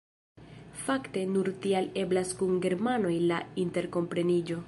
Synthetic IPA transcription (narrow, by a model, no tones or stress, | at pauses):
fakte̞nuɾtiale̞blaskuŋɡe̞ɾmano̞jlainte̞ɾko̞mpɾe̞nid͡ʒo̞